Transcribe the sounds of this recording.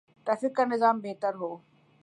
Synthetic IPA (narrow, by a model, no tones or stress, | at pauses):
ʈ̪ɐfɪkənɪzaːmbeːt̪əɾɦoː